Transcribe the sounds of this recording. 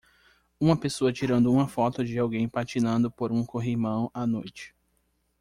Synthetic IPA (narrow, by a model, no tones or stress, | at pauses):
ũmɐpesoɐt͡ʃiɾɐ̃nd̪ʊũmɐfɔt̪ʊd͡ʒɪawɡẽj̃pat͡ʃinɐ̃nd̪ʊpoɾũkoɦimɐ̃w̃anojt͡ʃɪ̥